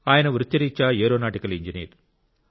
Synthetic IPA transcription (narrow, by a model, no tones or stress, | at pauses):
aːjɐnɐʋɾɯt̪ːɐɾiːt͡ʃːaːeːɾoːnaːʈːɪkɐlɪɲd͡ʒinḭːɾ